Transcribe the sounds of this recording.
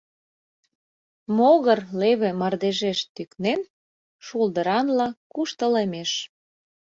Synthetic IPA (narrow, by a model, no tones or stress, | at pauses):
moɣərleβĕmɑrd̪eʒeʃt̪yknen | ʃuld̪əɾɑnlɑkuʃt̪əlemeʃ